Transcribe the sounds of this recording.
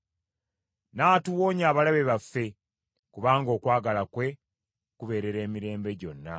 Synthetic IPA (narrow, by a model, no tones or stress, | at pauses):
naːtuwoːɲaːβalaβeβafːe̞ | kuβaːŋɡo̞ːkwaːɡalakwe̞ | kuβe̞ːɾe̞ɾe̞ːmiɾe̞ːmbe̞ɟo̞nːa̰